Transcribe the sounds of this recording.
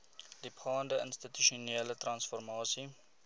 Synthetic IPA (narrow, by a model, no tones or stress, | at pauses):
dipχɑːndəənstityʃiuneːlətrɐnsfɔrmɑːsi